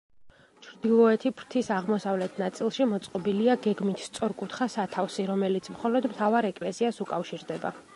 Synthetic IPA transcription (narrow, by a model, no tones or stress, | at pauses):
t͡ʃʰɾd̪ilˠɔɛt̪ʰipʰɾt̪ʰisaʁmɔsavlɛt̪ʰnat̪sʼilˠʃimɔt̪sʼqʼɔbiliaɡɛɡmit̪ʰst̪sʼɔɾkʼut̪ʰχasat̪ʰafsiɾɔmɛlit̪sʰmχɔlɔd̪mt̪ʰavaɾɛkʼlɛsiasukʼafʃiɾd̪ɛba̰